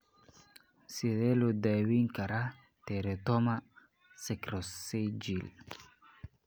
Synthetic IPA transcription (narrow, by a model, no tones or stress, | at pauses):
siɾɛludawiŋkaɾa | tɛɾɛtɔma | sekɾɔssed͡ʒil